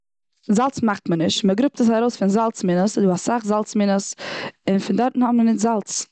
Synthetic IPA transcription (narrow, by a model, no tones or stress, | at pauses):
zalˠt͡smaχtmənɪʃtməɡɾʊp̚təs̬aɾoʊsfɪnzalˠt͡smɪnəsdɪasaχzalˠt͡smɪnəsɪnfɪndɔɾtn̩hɔmənɪtzalˠt͡s